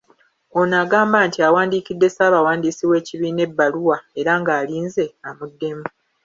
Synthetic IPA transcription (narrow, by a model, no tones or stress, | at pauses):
o̞naːɡaːmbaːntiawaːndiːkidːe̞saːβawaːndiːsiwe̞ːciβiːne̞bːaluwae̞ɾaŋɡaːliːnze̞amudːe̞mu